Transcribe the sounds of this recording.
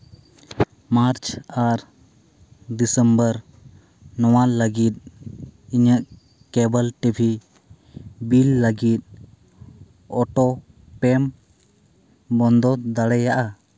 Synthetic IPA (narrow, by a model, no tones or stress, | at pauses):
maɾt͡ʃaɾ | d̪isəmbəɾ | nɔwaləɡit̪̚ | iɲəʔ | kɛbəlʈibʱi | bilːəɡit̪̚ˀ | ɔʈɔ | pɛm | bɔnd̪ɔt̪̚d̪aɽɛjaʔa